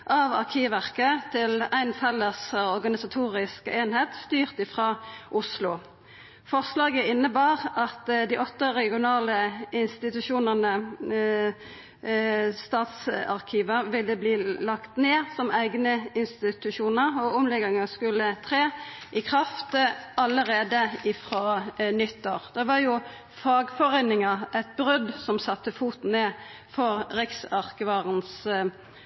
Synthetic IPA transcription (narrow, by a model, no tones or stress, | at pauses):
ʔɑʋɑ̰ʁkʰiːʋæʁkət̪ʰɪlæɪnfɛlːəsɔʁɡɑnɪsɑt̪ʰuːʁɪskeːnheːt̪st̪yːʁt̪ɪfʁɑːʔʊslʊ | fɔʁslɑːɡəɪnːəbɑːʁɑt̪d̪iːʔɔt̪ːəʁɛɡɪʊnɑːləɪnst̪ɪt̪ʉʃuːnəʁnə | st̪ɑːt̪sɑ̰ʁkʰiːʋəʋɪlːəbliːlɑkt̪neːsɔmæɪɡnəɪnst̪ɪt̪ʉʃuːnəʁɔɔmlɛɡɪŋɑskʉlːət̪ʰʁeːʔɪkʰʁɑft̪əɑləʁeːd̪əɪfɾonʏt̪ːoːʁd̪̥ɛʋɑjʊ | fɑːɡfɔʁeːnɪŋɑæɪt̪̚bʁʉd̪sɔmsɑt̪ːəfuːt̪n̩eː | fɔʁʁɪksɑʁkəʋɑːʁəns